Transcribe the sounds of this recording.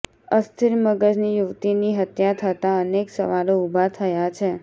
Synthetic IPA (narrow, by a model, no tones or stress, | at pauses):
əst̪ʰiɾməɡəd͡ʒnijuʋt̪iniɦət̪jat̪ʰət̪aəneksə̰ʋaloubʱat̪ʰəjat͡ʃʰe